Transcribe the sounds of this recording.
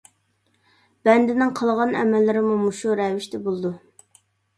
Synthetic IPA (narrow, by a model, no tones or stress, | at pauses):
b̥ɛnd̪ɪnɪŋqʰəlˠʁɑnɛ̰mɛlːɪɾɪmumuʃuɾɛvɪʃt̪ɛbolˠɨd̪u